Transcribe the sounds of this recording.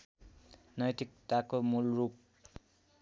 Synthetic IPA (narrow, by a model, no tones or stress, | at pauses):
nʌjt̪ik̚t̪akomulrup̚